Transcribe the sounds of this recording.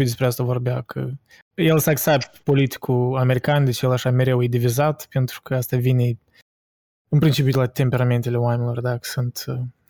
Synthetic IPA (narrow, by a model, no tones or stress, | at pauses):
id̪espɾeast̪avo̞rbeakʰə̰ | jelsaːksapt̪po̞lit̪i̥kuame̞ɾikand̪e̞t͡ʃjelaʃame̞ɾe̞wjed̪ivizat̪pe̞nt̪ɾu̥kəast̪avine | ɨnpɾint͡ʃip̬ʲjut̪lat̪e̞mpʲe̞ɾame̞nt̪e̞lʲe̞oamenʲɪlo̞rd̪akə̥sunt̪